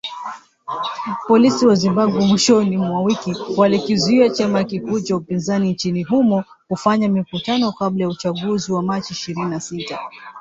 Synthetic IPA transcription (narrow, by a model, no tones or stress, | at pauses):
pɔlisiwazimbaɓwɛmwiʃɔnimwawikiwalikizuiat͡ʃamajkikuːt͡ʃaupinzanint͡ʃiniɦumɔ | kufaɲamikutanɔkablajaut͡ʃaɠuziwamat͡ʃiːʃiɾininasita